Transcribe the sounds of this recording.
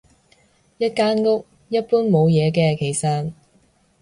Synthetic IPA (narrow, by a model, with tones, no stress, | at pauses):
jɐ˥t̚kaː˥nŋʊ˥k̚ | jɐ˥t̚puː˥nmo˨˧wjɛː˨˧k̬ɛː˧kʰe˨˩jsɐ˨n